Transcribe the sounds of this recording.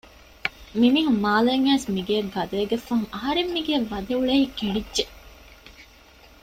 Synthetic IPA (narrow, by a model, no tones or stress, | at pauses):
miniːɦummaːleːŋæːsmiɡeːɡɐd̪ɐeɡefːɐŋɐɦɐɾemːiɡeːʋːɐd̪euɭeiːkeɳɖidʒe